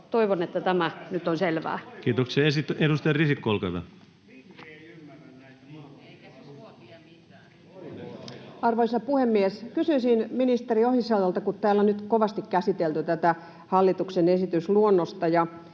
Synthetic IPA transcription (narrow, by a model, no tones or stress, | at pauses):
t̪oiʋonet̪ːæt̪æmænyt̪ːonselʋæ̰ːkiːt̪okseesit̪ːedust̪ɑjɑrisikːolkɑʋɑ̰ | ɑrʋoisɑpuhemːieskysyisinminist̪eriohisɑujɑlt̪ɑkut̪t̪æːlːonnyt̪koʋɑst̪ikkæsit̪elt̪yt̪æt̪æ | hɑlːit̪uksenesit̪ysluonːost̪ɑjɑ